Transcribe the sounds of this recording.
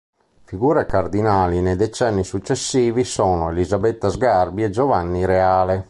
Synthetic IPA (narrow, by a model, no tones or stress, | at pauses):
fiɡuːɾekard̪inaːlined̪ɛt͡ʃɛnːisut͡ʃːesːiːvisɔːnoelizabet̪ːazɡarbiɛd͡ʒovanːiɾeaːle